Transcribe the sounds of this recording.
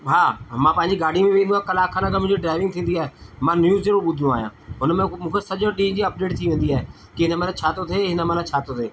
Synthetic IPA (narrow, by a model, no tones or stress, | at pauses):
ɦaːmãːpɐ̃ɦɪɲd͡ʑiɡaːɽ̤imẽʋẽːnd̪ũãːkɐlaːkʰãːnãkamʊ̃ɪ̃d͡ʑoɖɾaːɪʋɪ̃ŋ̚t̪ʰĩːnd̪iaːɦemãːnjuːzd͡ʑeɽõɓʊd̪ʱnũaːɦijã̰ːɦʊnəmẽmũːkʰesɐʄoɗĩnd͡ʑiːɐp̚ɖeːʈ̚t̪ʰiʋẽːn̆d̪iaːɦe | kiɦɪnəmẽlat͡ɕʰaːt̪ot̪ʰeɦɪnəmẽlãt͡ɕʰaːt̪ot̪ʰeː